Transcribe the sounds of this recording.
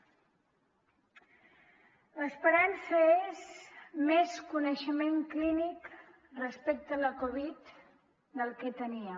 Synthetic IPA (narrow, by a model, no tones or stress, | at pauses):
ləspəɾansəezmeskunəʃəmeŋklinik | rəspek̚t̪ələkoβit̪ | d̪əlˠkɛt̪əniə